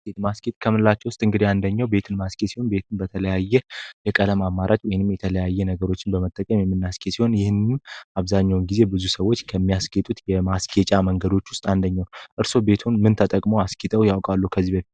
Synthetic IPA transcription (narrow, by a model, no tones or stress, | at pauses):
et̪masket̪ʼkʰəmɨlːat͡ʃːɛwʊst̪ʼɨŋɡɨd̪iand̪əɲːawbe̞t̪ʰɨnmaskʰʼesiho̞nbe̞t̪ʰunbət̪ʰələjajːɛjɛkʼələmamːaɾat͡ʃʼwɔjnɨmjɛt̪ʰələjajːɛnəɡəɾo̞t͡ʃːɪnbəmət̪ʼːəkʼəmjɛmːɨnːaskʰʼet̪siho̞njɪhɨnːɨnaβzaɲːawnɡize̞bɨzusəwːo̞t͡ʃːkʰəmːijasket̪ʼut̪jɛmaskʰet͡ʃʼaməŋɡəd̪o̞t͡ʃːwʊst̪ʼand̪əɲːawnʔɨɾso̞be̞t̪ʰunmɨnt̪ʰət̪ʼəkʼmoaskʰit̪ʼəwjawkʼalːukʰəzːibəfi